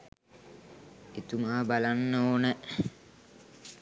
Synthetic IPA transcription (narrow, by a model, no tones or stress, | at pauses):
it̪umaːbalanːoːnə